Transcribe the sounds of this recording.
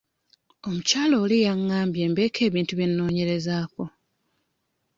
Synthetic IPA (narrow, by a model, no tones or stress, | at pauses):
o̞mucaːloːlijaŋːaːmbje̞ːmbe̞ːkʰe̞ːβiːntuβjenːo̞ːɲe̞ɾe̞zaːko̞